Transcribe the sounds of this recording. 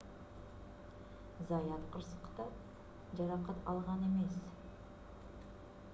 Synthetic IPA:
zɑjɑt̪qʰʊɾsə̥qt̪ɑ | ʒɑɾɑqɑt̪ɑlˠʁɑne̞me̞s

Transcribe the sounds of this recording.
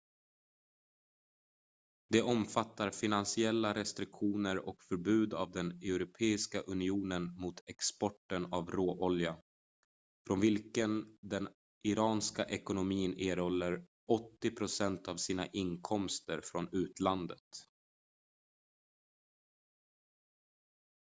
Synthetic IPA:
d̪ɛʔɔmfat̪ːaɾfɪnansɪɛlːaɾɛst̪ɾɪkɧuːnəɾɔkfœɾbʉ̟ːd̪a̰vd̪ɛnɛʊɾʊpʰeːɪskaʔɵnɪuːnənmʊt̪ʰɛkspɔʈːənavɾoːʔɔlja | fɾɔnvɪlkənd̪ɛn | ʔɪɾɑːnskaʔɛkʊnʊmiːneːɾɔlːəɾ | ɔt̪ːɪpʰɾʊsɛnt̪ʰavsiːna̰ʔɪnkʰɔmst̪əɾfɾɔnʉ̟ːt̪land̪ət̪

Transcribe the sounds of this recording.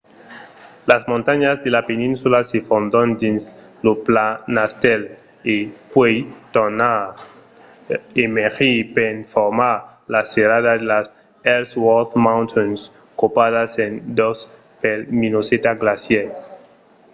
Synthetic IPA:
lazmõnt̪aɲazd̪elapenĩnsulasefond̪ond̪insloplanast̪el | epwejt̪ona | emexipenfoɾmaɾ | laseɾaðaðelas | eɾswɔθmãwnt̪ʰons | kopaðasend̪os | pelminoset̪aɡlasjel

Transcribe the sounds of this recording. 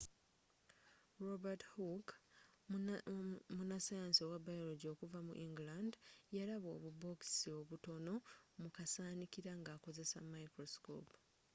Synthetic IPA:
ɾobathuk | munasajaːnsiowabːajoloɟo̞ːkuvamṵʔiŋɡilandjalaβo̞̰ːβubo̞ksio̞βuto̞no̞mukasaːnikiɾaŋɡaːko̞ze̞sa̰maikɾosko̰p

